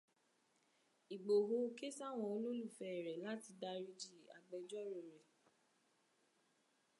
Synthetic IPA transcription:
i˨ɡ͡bo˨ɦo˧˦ke˦sa˦˨w̃ɔ̃˧˨o˧lõ˦lu˦˨fɛ˧˨ɾɛ˨la˦ti˧da˧ɾi˦d͡ʒi˦˨a̰˨ɡ͡bɛ˧d͡ʒɔ˦ɾo˨ɾɛ˨

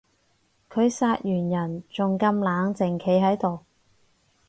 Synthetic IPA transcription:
kʰɵ˨˧ɥsaː˧t̚jyː˨˩njɐ˨˩nt͡sʊ˨ŋkɐ˧mlaː˨˧ŋt͡sɪ˨ŋkʰe˨˧jɦɐ˨˥jt̪o˨w

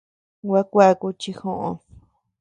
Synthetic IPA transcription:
wa˦kʷa˦˧ku˧t͡ʃi˧xõ˦˧ʔõ̰˧s

